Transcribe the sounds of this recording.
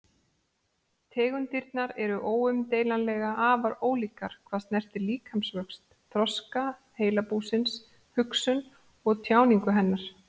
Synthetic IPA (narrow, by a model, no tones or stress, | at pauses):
t̪ʰɛːɣʏnt̪iɾt̪naɾɛɾʏʔoːwʏmt̪eːjlanlɛːɣaʔaːvaɾoːwliːkaɾ̥kʰvaðstnɛr̥t̪ɪɾliːkʰhamsvœkst̪ːʰ | ɾɔska | heːjlapuːsɪns | hʏksʏn | ɔɣt̪ʰjaːwniŋkʏɦɛnːaɾ̥